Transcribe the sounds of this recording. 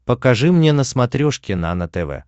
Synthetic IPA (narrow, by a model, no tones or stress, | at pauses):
pəkɐʐɨmnʲenəsmɐt̪ɾʲoʂkʲɪna̰nət̪ɛvɛ̰